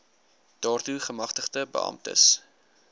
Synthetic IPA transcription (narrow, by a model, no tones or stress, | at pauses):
d̥ɑːrtuχəmɐχtəχtəbə̰ɐ̰mtə̰s